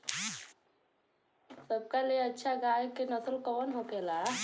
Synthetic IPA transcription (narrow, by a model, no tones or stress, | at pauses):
səb̚kalijeɐtːʃʰaɡaːjkenəsəlkɔːnɦokeːlaː